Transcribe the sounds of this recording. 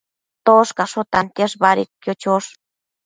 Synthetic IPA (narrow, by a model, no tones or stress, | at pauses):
t̪oʂkaʂot̪ant̪jeʂbaɾḭkkjot͡ʃoʂ